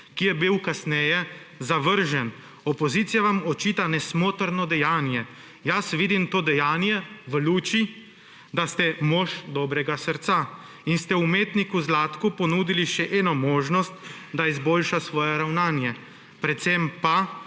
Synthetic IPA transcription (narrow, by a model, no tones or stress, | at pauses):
kijɛbiwkasnɛjɛ | zaʋəɾʒɛn | ɔpɔziːt̪sijaʋamɔt͡ʃiːt̪anɛsmoːt̪əɾnɔd̪ɛjaːnjɛ | jasʋid̪imt̪oːd̪ɛjaːnjɛʋəluːt͡ʃi | d̪ast̪ɛmɔːʃd̪ɔːbɾɛɡasəɾt̪sa | inst̪ɛumeːt̪nikuzlaːt̪kupɔnuːd̪iliʃɛʔɛːnɔmoːʒnɔst̪ | d̪aizboːlʃasʋɔːjɛɾawnaːnjɛ | pɾɛt̪sɛmpa